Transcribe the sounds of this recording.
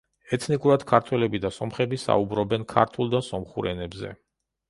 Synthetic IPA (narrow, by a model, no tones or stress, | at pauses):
ɛt̪ʰnikʼuɾad̪̥kʰaɾt̪ʰwɛlɛbid̪asɔmχɛbisa̰ubɾɔbɛnkʰa̰ɾt̪ʰulˠd̪asɔmχuɾɛnɛbzɛ̰